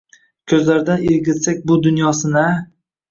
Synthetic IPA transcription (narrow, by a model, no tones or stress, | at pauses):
kʲʰɵzlaɾd̪aneɾɡʲɪt̪sak̚ʲbʊd̪ʊnjɒsɪna